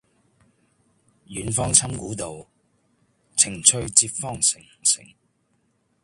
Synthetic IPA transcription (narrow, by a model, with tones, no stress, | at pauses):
jyː˨˥nfɔː˥ŋt͡sʰɐ˥mkuː˨˥t̪o˨w | t͡sʰɪ˨˩ŋt͡sʰɵ˧ɥt͡siː˧pfɔː˥˩ŋsɪ˨˩ŋsɪ̰˨˩ŋ